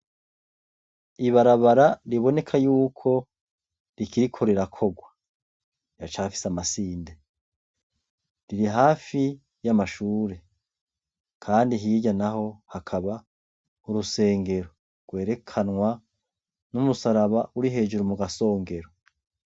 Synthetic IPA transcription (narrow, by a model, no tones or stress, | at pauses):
iβaɾaβaɾaɾiβo̞ne̞kʰajuːkʰo̞ | ɾikʰiɾikʰo̞ɾe̞ɾakʰo̞ɡwa | jat͡ʃaːfi̥samasiːnde̞ | ɾiɾiɦaːfi | jamaʃuːɾe̞ | kʰaːndiɦiːɟanaɦo̞hakʰaβa | uɾuse̞ːŋɡe̞ɾo | ɡ̥we̞ːɾe̞kʰanŋwa | numusaɾaβauɾiɦe̞ːd͡ʒuɾumuɡaso̞ːŋɡe̞ɾo